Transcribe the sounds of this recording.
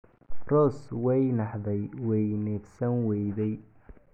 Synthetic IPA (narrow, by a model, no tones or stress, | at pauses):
rɔːswɛjnɑħðɛjwɛjnɛɡsɐnwɛjðɛj